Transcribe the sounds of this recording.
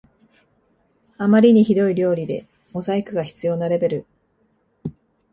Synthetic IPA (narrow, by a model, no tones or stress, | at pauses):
amaɾʲiɲ̟içid̪o̞iɾʲo̞ːɾʲid̪e̞̰ | o̞zaikɯ̟ɡaçi̥t͡sɨjo̞ːnaɾe̞be̞ɾɯ̟